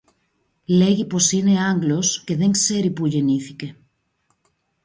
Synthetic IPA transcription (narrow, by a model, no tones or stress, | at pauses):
leɣiposineaŋɡloskeðeŋseɾipuʎeniθi̥ke